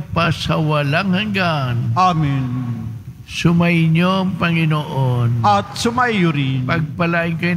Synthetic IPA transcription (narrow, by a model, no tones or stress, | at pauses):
pasɐwɐlaŋhaŋɡanamin | sʊmajɲoɐŋpɐŋɪnoʔonɐt̪sʊmajʊɾinpɐɡ̚pɐlaʔɪŋkɐj